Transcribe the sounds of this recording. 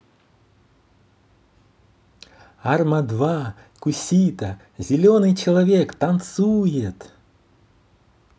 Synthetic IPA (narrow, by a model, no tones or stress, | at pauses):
armɐd̪va | kʊsʲit̪ə | zʲɪlʲonɨjt͡ɕɪlˠavʲekt̪ɐnt̪sujɪt̪